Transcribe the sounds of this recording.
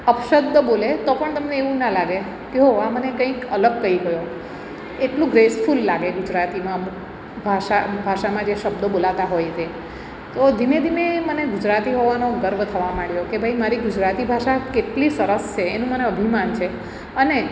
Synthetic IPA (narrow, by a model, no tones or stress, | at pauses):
əpʃəd̪ʱːəbolet̪opəɳt̪əmneeʋũnalaɡe | keɦoãmənekə̃ĩkələɡ̚kəiɡəjo | eʈlũɡɾesfʰulːaɡeɡud͡ʒɾat̪imã | bʱaʃabʱaʃamãd͡ʒeʃəbd̪obolat̪aɦojt̪ʰe | t̪od̪ʱined̪ʱimeməneɡud͡ʒɾat̪iɦoʋanoɡəɾʋət̪ʰəʋamaɽjokebʱaimaɾiɡʊd͡ʒɾat̪ibʱaʃakeʈlisəɾəst͡ʃʰeːnũməneəbʱimant͡ʃʰe | əne